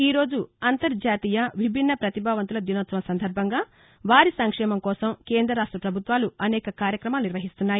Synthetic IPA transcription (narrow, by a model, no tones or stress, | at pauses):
iːɾo̞ːd͡ʒuɐnt̪ɐɾd͡ʒaːt̪iːjɐʋibʱinːɐpɾɐt̪ibʱaːʋɐnt̪ulɐd̪inɐːt̪sɐmɐsɐnd̪ʱɐɾbʱɐŋɡaː | ʋaːɾisɐŋkʂɛːmɐmkɔːsɐmkeːnd̪ɾɐɾaːʂʈɾɐpɾɐbʱut̪ʋaːluɐnɛːkɐkaːɾjɐkɾɐmaːluniɾʋɐɦist̪unːaːji